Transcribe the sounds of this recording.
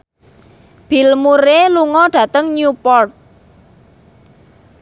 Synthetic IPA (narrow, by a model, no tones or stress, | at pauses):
b̥i̤lmuɾeluŋɔɖ̥ä̤t̪əŋɲupɔrt̪̚